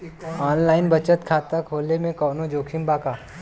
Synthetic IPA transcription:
ɔːnlaːɪnbɐt͡ʃət̪kʰaːt̪əkʰoːlemẽkɔːnod͡ʒoːkʰimbaːkaː

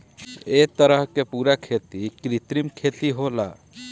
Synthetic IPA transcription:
et̪əɾəɦkepuːɾakʰet̪ikɾit̪ɾimkʰet̪iɦola̰

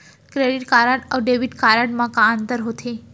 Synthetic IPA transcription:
kɾeɖiʈkaɾaʈəʋɖeʋiʈkaɾaʈmãkãənt̪əɾɦot̪ʰe

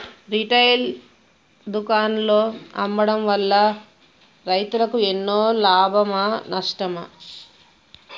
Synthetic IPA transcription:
ɾiʈɐjl | d̪ukaːnlo̞ːɐ̰mbɐɽɐmʋɐlːɐ | ɾɐjt̪ulɐkuenːoːlaːbʱɐmɐnɐʂʈɐmɐ̰

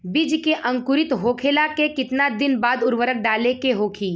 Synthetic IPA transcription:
bɪd͡ʒkeʔɐ̃ŋkʊɾɪt̪ɦoːkʰelakekɪt̪nad̪ɪnbaːd̪ʊɾʋəɾək̚ɖaːlekeɦoːkʰiː

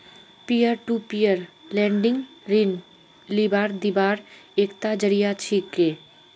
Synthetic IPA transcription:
pijəɾʈuːpijəɾlɛ̃ːɳɖɪ̃ŋɡɾɪn | libaːɾd̪ibaːɾeːkt̪ad͡ʒəɾijat͡ʃʰiːkːeː

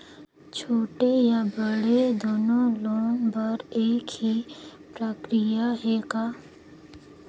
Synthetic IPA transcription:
t͡ʃʰoːʈejabəɽed̪oːnõloːbɐɾeːkɦipɾəkɾɪjaɦeːkaː

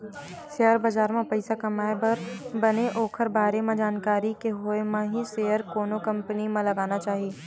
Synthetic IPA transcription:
sejəɾbɐzaːɾmẽpɐɪsakɐmaːebɐɾbɐneʔoːkʰəɾbʱaːɾemẽd͡ʒaːnkaːɾikeɦoemãɦiseːjəɾkoːnõkɐ̃mpənimãlɐɡaːnat͡ʃaːɦieː

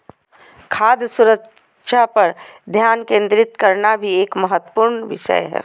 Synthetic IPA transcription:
kʰaːd̪jəsʊɾək | ʃapəɾd̪ʱjaːnkẽːnd̪ɾɪt̪kəɾnabʱieːkməɦət̪wə̥puːɾnʋɪ̰ʃə̰jɦɛ̰ː

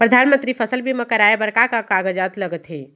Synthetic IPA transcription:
pɾəd̪ʱanmənt̪ɾipʰəsəlbʱimekəɾaebəɾkakakaɡəd͡ʒat̪ləɡət̪ɦe

